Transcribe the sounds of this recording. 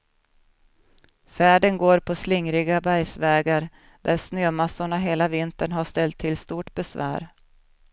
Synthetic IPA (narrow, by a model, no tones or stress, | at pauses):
fæːɖənɡoːɾpʰɔslɪŋɾɪɡabæjsvɛːɡaɾ | d̪̥æɾsnøːmasːʊɳaɦeːlavɪnt̪əɳɦaʂt̪ɛlt̪ʰːɪlst̪uːʈbɛsvæ̰ːɾ